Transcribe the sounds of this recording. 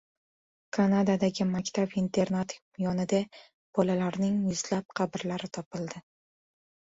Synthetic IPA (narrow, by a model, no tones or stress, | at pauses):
kʰanad̪ad̪aɡʲɪmakʲt̪ʰabint̪ʰe̞ɾnat̪ | jɒnɪd̪a | b̥ɒlalaɾnɪŋjʊzlap̚qʰɑbɪɾlaɾɪt̪ʰɒpɪld̪ɪ